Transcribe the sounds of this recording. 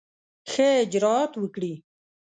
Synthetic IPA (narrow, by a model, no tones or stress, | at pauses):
xed͡ʑɾaːt̪wəkɽiː